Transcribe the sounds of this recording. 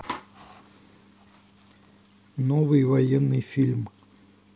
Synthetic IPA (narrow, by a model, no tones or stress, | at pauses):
novɨjvɐjɛnːɨjfʲilʲm